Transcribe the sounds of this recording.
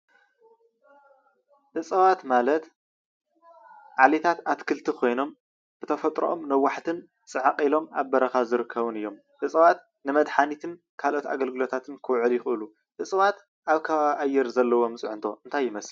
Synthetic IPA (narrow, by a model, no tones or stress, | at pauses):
ʔɨt͡sʼɐβat̪malɐt̪ | ʕalet̪ʰat̪at̪kʰɨlt̪ʰikʰo̞jno̞m | b̥ɨt̪ʰɐfɐt̪ʼɾo̰ʔomnɐwːaħt̪ʰɨn | t͡sʼɨʕaqʼilo̞maβbɐɾɐxazɨɾɨkʰːɐβɨnɨjːo̞m | ʕɨsʼɐβat̪ | nɨmɐd̪ħanit̪ʰɨn | kʰalʔo̞t̪a̰ɡɐlɡɨlo̞t̪ʰat̪ʰɨnkʰɨwʕɨljɪxʔɨlu | ʕɨsʼɐβat̪ | ʔaβkʰɐβaβʔajːɛɾzɐlːɐwo̞mɨt͡sʼʕʊnt̪ʰo̞ɨnt̪ʰajːɪmɐs